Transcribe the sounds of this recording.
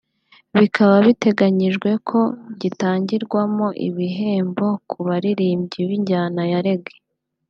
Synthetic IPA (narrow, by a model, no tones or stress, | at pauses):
βikʰaβaβite̞ɡaɲiʒɡwe̞kʰo̞ɟitaːɲɟiɾɡwamo̞ʔḭβiɦe̞ːmbo̞kʰuβaɾiɾiːmbɟiβiɲɟaːnajaɾe̞ɡe̥